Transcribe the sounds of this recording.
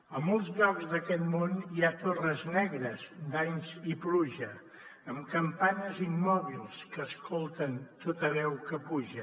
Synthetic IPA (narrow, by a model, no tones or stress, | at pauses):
əmbunˠzʎɔɡzd̪əkɛt̪moniat̪orəznɛɣɾəzd̪aɲzipluʒə | əmkəmpanəzimːɔβilˠskəskʰolˠt̪ənt̪ot̪əβɛwkəpuʒə